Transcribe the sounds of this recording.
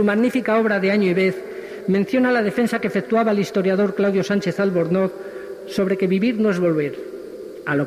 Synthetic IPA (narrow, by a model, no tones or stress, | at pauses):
umaɣnifikao̞β̞ɾaðe̞aɲoiβe̞θ | mẽn̟θjo̞nalað̞e̞fe̞nsakeefek̚t̪uaβaelist̪o̞ɾjað̞o̞ɾklawðjosant͡ʃe̞θalβo̞ɾnot | so̞βɾe̞ke̞βiβiɾnoe̞zβo̞lβ̞e̞ɾ | alo